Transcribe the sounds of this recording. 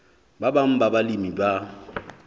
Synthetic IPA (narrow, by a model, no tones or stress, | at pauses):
babaŋ̩babalimiba